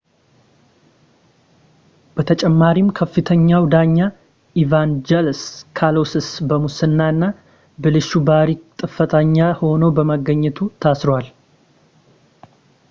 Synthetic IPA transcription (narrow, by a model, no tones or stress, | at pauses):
b̥ət̪ʰət͡ʃʼɛmːaɾimkʰəfːɨt̪ʰəɲːawd̪aɲːa | ivand͡ʒɛlskʰalo̞sɨsbəmusɨnːaɨnːa | bɨlɨʃubaɾikt̪ʼɨfət̪ʰaɲːaho̞nobəmaɡəɲːɛt̪ʰut̪ʰasɾowal